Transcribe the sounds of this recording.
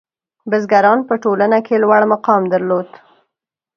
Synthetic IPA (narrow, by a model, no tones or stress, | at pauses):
bɪzɡaɾɑnpəʈolanakʰelwaɽmaqɑmd̪əɾlod̪